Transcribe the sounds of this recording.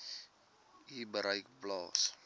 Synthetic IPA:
ibəɾəjkblɑːs

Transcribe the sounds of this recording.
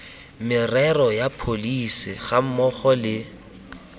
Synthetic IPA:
mɪrɛrɔjapʰolisɪɣam̩mɔχɔlɪ

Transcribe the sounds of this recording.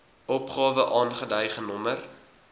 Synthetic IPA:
ʔɔpχɑːvəʔɑːnχədœjχənɔmər

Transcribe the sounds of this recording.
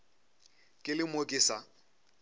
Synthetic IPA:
kʼɪlɪmokʼɪːsa

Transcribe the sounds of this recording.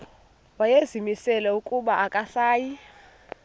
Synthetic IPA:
wajezimisɛlɛukʼuɓaakʼasaːji

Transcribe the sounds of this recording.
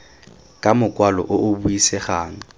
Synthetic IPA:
kʼamʊkʼwalɔ̰ʔʊʔʊbuisɛχaːŋ̩

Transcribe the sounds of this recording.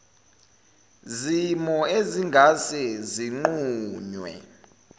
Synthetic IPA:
zimɔeziŋɡʱasɛziŋ͡ǃuːɲwɛ̰

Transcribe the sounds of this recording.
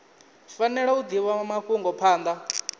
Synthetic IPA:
fanɛɺaud̪iwamaɸuŋɡɔpʰaːnd̪a

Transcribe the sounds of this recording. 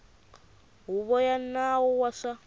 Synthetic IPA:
ɦuβɔjanawɔwaʂa

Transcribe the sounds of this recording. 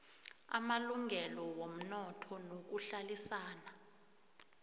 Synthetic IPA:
a̰maluŋʱɛlɔwom̩nɔtʰɔnok̬uɬalisaːna

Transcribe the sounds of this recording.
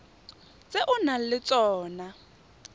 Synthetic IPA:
t͡sʼeʔʊnalɪt͡sʼɔːna

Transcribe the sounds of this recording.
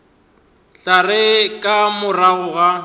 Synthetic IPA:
ɬarɪkʼamʊraɣʊɣa

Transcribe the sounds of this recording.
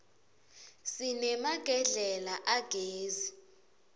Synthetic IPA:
sinɛmaɡ̥ʱɛɮɛlaʔaɡ̥ʱeːzi

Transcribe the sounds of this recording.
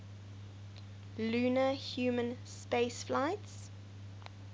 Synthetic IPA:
lʉːnəhjuːmə̃nspeɪsflaɪts

